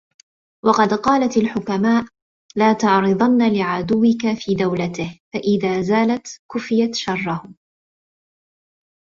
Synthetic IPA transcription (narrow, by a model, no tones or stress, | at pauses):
wɑqɑd̪qɑːlat̪alħʊkamaːʔ | laːt̪ɑʕɾɨðˤɑnːalɪʕad̪ʊwːɪkafiːd̪awlat̪ɪhfaʔɪðaːzaːlat̪kʊfɪjat̪ʃɑrˤːɑhʊ